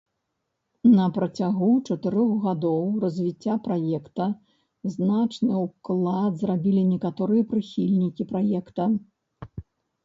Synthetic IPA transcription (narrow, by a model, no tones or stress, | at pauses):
nɐpɾɐt͡sʲaɣut͡ʂɐt̪ɨɾɔɣɣad̪ɔwrɐzʲvʲit͡sʲːapɾajɛkt̪ɐ | znat͡ʂnɨuklˠad̪zrabʲilʲinʲɛkat̪ɔɾɨjɐpɾɨxʲilʲnʲikʲipɾajɛkt̪ɐ